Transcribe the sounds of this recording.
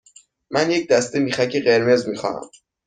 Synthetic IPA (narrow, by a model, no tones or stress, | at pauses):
mænjec̚d̪æst̪emiːχæcʰeɢeɾme̞zmixɒ̰hæ̰m